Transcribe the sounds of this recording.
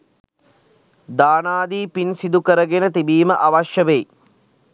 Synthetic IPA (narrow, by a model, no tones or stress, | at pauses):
d̪aːnaːd̪iːpinsid̪ukəɾəɡenət̪ibiːməʔaʋaʃjəʋeji